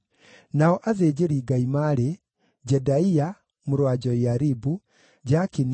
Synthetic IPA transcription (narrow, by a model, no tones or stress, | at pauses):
naɔʔazeɟeɾiːɡaimaɾe | d͡ʑɛdaia | moɾwaɟɔjaɾibu | ɟakin